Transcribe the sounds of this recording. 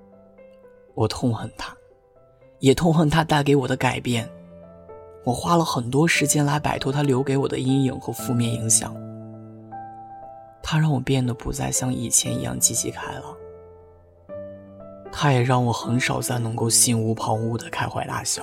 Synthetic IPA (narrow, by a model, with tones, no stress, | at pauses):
wɔ˨˩t̪ʰʊ˥˧ŋxə˥˩nt̪ʰa˥ | jɛ˨˩t̪ʰʊ˥˧ŋxə˥˩nt̪ʰa˥t̪a˥˩ɪk̬e˧˥ɪwɔ˨˩d̪ə˦ka˨˩ɪpjɛ˥˩n | wɔ˨˩xwa˥lə˨xə˨˩nt̪wɔ˥ʂɻ̩˧˥t͡ɕjɛ˥nla˧˥ɪpa̰˨˩ɪt̪ʰo˧˥t̪ʰa˥ljo˧˥ʊke˧˥ɪwɔ˨˩d̪ə̰˦i˥ŋjḭ˨˩˦ŋxɤ˧˥fu˥˧mjɛ˥˩ni˧˥ŋɕjɑ̰˨˩˦ŋ | t̪ʰa˥ɻɑ˥˩ŋwɔ˨˩pjɛ˥˩nd̪ə˩pu˧˥t͡sa˥˧ɪɕjɑ˥˩ŋḭ˨˩t͡ɕʰjɛ̰˧˥nḭ˧˥jɑ̰˥˧ŋt͡ɕi˥˩t͡ɕʰḭ˧˥kʰa˥ɪlə˩ | t̪ʰa˥jɛ˨˩ɻɑ˥˩ŋwɔ˨˩xə˧˥nʂɑ˨˩ʊt͡sa˥˩ɪnɤ˧˥ŋko˥˧ʊɕi˥˩nu˧˥pʰɑ˧˥ŋu˥˩d̪ə˩kʰa˥ɪxwa̰˧˩ɪt̪a̰˥˩ɕjɑ˥˩ʊ